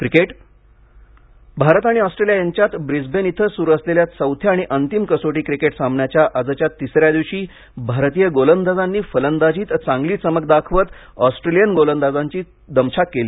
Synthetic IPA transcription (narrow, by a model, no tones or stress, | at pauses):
kɾikeʈ | bʱaɾət̪aɽ̃iɔsʈɾelijajaɲt͡ɕjat̪bɾid͡zbenit̪ʰəsuːɾəsleljat̪səwt̪ʰjaːɽ̃iʔənt̪imkəsoʈiːkɾikeʈsambʱɳjat͡ɕjaʔəd͡zət͡ɕjat̪ːisɾjad̪iʋɕiː | bʱaɾt̪ijəɡolənd̪ad͡zanːiːfələnd̪ad͡ʑiːt̪t͡sãŋɡliːt͡səmək̚d̪akʰʋət̪ | ɔsʈɾelijənɡolənd̪ad͡zaɲt͡ɕiː | d̪əmɕakkeliː